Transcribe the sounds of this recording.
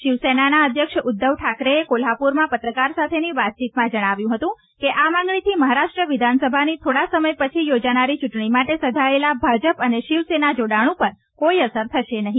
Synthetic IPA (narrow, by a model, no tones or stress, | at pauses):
ʃiʋsenanaəd̪ʱjəkʃʊd̪ːəʋʈʰakɾeekolɦapuɾmãpət̪ɾəkaɾsat̪ʰeniʋat̪̚t͡ʃit̪mãd͡ʒəɽ̃aʋjũɦət̪ũ | keʔamãŋɡɭit̪ʰiməɦaɾaʃʈɾəʋɪd̪ʱansəbʱanit̪ʰoɽasəməjpət͡ʃʰijod͡ʒanaɾit͡ʃuʈɳimaʈesəd͡ʒʱaelabʱad͡ʒəpəneʃɪʋsenad͡ʒoɽaɽ̃ũpəɾ | koiəsəɾt̪ʰəʃenəɦĩ